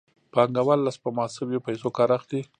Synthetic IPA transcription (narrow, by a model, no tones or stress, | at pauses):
pɑŋɡawalːaspəmɑsɪbjopajsokɑɾaxd̪i